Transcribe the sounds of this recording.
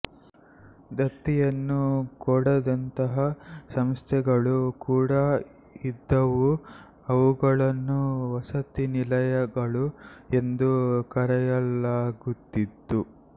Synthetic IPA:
d̪ɐt̪ːijɐnːukɔɽɐd̪ɐnt̪ɐɦɐsɐmst̪ʰɛɡɐɭukuːɽɐ | id̪ːɐʋu | ɐʋuɡɐɭɐnːuʋɐsɐt̪inilɐjɐɡɐɭue̞nd̪ukɐɾɛjɐlaːɡut̪ːid̪ːu

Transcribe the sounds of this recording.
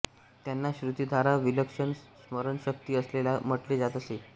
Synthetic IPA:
t̪janːaɕɾut̪id̪ʱaɾaʋiləkʂəɳsməɾəɳɕək̚t̪iːəslelam̤əʈled͡zat̪əse

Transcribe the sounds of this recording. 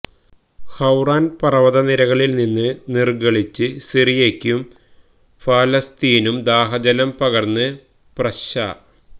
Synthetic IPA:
hɐwraːnpɐrɐʋɐðɐniɾɐɣɐɭilninːɨnirɡɐɭit͡ɕːɨsirijekʲːum | faːlɐst̪iːnumd̪aːɦɐd͡ʑɐlɐmpɐɣɐrnːɨ | prɐɕa̰ː

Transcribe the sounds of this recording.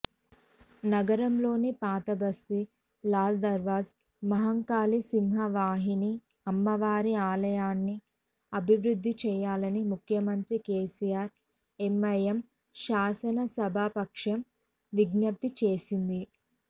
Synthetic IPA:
nɐɡɐɾɐmlo̞ːnipaːt̪ɐbɐst̪i | laːld̪ɐɾʋaːs | mɐɦɐŋkaːlisimɦɐʋaːɦini | ɐmːɐʋaːɾiaːlɐjaːnːi | ɐbʱiʋɾud̪ʱːit͡ʃɛːjaːlɐnimukʰjɐmɐnt̪ɾikeːsijaːɾ | emːɐjɐm | ʃaːsɐnɐsɐbʱaːpɐkʂɐm | ʋiɡnɐp̚t̪it͡ʃeːsind̪i

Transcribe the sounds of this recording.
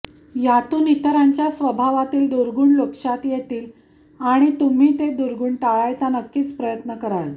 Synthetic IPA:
jat̪uːnit̪əɾaɲt͡ɕjasʋəbʱaʋat̪iːld̪uɾɡuːɳlokʂat̪jet̪iːl | aɽ̃it̪um̤iːt̪ed̪uɾɡuːɳʈaɭajt͡sanəkːiːt͡spɾəjət̪nəkəɾal

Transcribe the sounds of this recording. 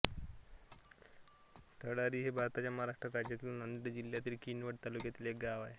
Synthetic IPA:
t̪ʰəɽaɾiːɦebʱaɾt̪at͡ɕjaməɦaɾaʂʈɾəkad͡ʑat̪ilnənd̪ɾəd͡ʑilːjat̪iːlkinʋəʈ̚t̪alukjat̪iːlek̚ɡaʋae

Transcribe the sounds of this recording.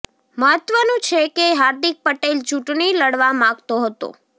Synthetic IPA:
məɦət̪ʋənũt͡ʃʰekeɦaɾd̪ik̚pəʈelt͡ʃũʈɳiləɽʋamãɡt̪oɦət̪o̰

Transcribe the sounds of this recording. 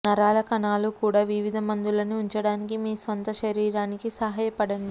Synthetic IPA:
nɐɾaːlɐkɐnaːlukuːɽaːʋiʋid̪ʱɐmɐnd̪ulɐniuɲt͡ʃɐɽaːnikimiːsʋɐnt̪ɐʃɐɾiːɾaːnikisɐɦaːjɐpɐɽɐni

